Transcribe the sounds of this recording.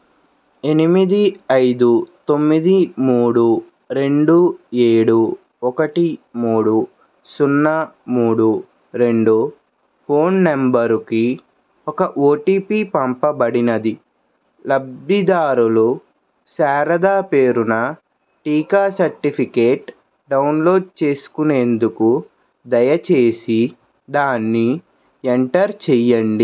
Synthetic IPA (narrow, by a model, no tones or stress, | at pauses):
e̞nimid̪iɐjd̪ut̪o̞mːid̪imuːɽu | ɾe̞ɳɖueːɽu | ɔkɐʈimuːɽu | sunːɐmuːɽu | ɾe̞ɳɖu | pʰo̞ːnːembɐɾuki | ɔkɐʔoːʈiːpipɐmpɐbɐɽinɐd̪i | lɐbid̪aːɾulu | saːɾɐd̪aːpe̞ːɾunɐ | ʈiːkaːsɐɾʈipʰikeːʈ | ɖɐwunlo̞ːɖ̚t͡ʃe̞ːsu̥kune̞ːnd̪uku | d̪ɐjɐt͡ʃe̞ːsi | d̪aːnːi | eɳʈɐɾt͡ʃɛjɐɳɖi